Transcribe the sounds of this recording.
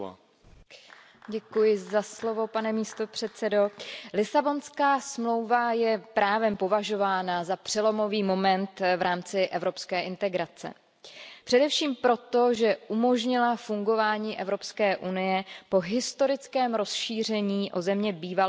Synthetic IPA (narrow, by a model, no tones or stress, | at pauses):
ɟɛkujɪzaslovo̞panɛmiːst̪o̞pr̝̥ɛt̪t͡sɛdo̞lɪsabo̞nskaːsmlo̞wvajɛpɾaːvɛmpo̞vaʒo̞vaːnazapr̝̥ɛlo̞mo̞viːmo̞mɛnt̪vɾʔaːmt͡sɪʔɛvɾo̞pskɛːʔɪnt̪ɛɡɾat͡sɛ̰ | pr̝̥ɛdɛfʃiːmpɾo̞t̪o̞ʒɛʔumo̞ʒɲɪlafuŋɡo̞vaːɲiːʔɛvɾo̞pskɛːʔunɪjɛpo̞ɦɪst̪o̞ɾɪt͡skɛːmɾo̞sʃiːr̝ɛɲiːʔo̞zɛmɲɛbiːva